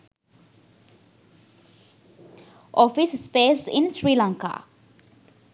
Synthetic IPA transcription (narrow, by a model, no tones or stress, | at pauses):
ʔɔfisspesḭ̃nsɹilãŋka̰